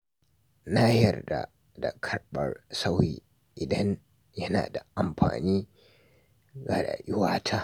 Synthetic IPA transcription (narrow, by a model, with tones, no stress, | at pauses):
naː˦hɪ˦jɐ˨rda̰˨ | da˨kʰɐ˦rɓɐ˨rsa˦wjḭː˨ | ʔɪ˨dɐ˦ɲ | jɐ˦na̰ː˨da˨ʔa˨mɸa̰ː˨niː˦ | ɡa˨ɽa̰ː˨ʔɪ˦waː˦tʰaː˦